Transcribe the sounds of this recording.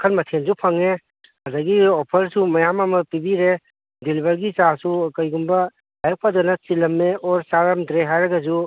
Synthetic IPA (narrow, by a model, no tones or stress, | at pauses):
kʰɐnmɐtʰenzupʰɐŋe | hɐzaɡiɔpʰɐɾsumɐjamamɐpibiɾe | dilibɐɾɡit͡ʃasukɐjɡumbɐ | ajɐk̚pʰadɐnɐt͡ʃilɐmːeɔɾsaɾamdɾeɦajɾɐɡɐzu